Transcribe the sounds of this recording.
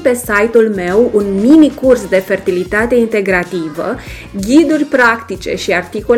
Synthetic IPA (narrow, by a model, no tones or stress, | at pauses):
pe̞sajt̪ulme̞wunminikursd̪e̞fe̞rt̪ilit̪at̪e̞int̪e̞ɡɾat̪ivə̰ | ɡʲid̪urʲpɾakt̪it͡ʃe̞̰ʃiart̪iko